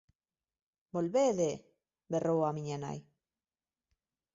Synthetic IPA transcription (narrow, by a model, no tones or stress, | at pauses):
bolβeðe | berʔowamiɲena̰j